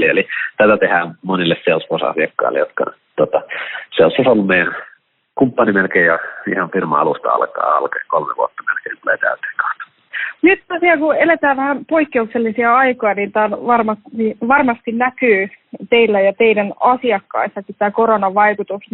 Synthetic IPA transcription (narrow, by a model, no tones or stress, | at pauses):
lielit̪æt̪æt̪ehæːmonilːesseusʋosɑ̰siɑkːɑ̰ilːḛjot̪̚kɑ̰ | t̪ot̪ɑseosːɑsolːummeˑijæn | kumpːɑnimelkeːjɑḭhɑnfirmɑ̰ɑ̰lust̪ɑ̰ɑ̰lkɑ̰ːɑ̰lkɑkolmḛʋṵɑt̪ːɑmḛlkeint̪ulḛːt̪æ̰ˑyt̪ˑe̥ːŋkɑ̥u̥t̪ːɑ̥ | nyt̪t̪ɑsiɑkuelet̪æːʋʋæhæmpoikːeukselːisiɑɑikojɑniːnt̪æːnʋɑrmɑstiʋɑrmɑst̪innækyːt̪eilːæjɑt̪eidænɑsiɑkːɑ̰isːɑkit̪t̪æːkoronɑʋɑikut̪us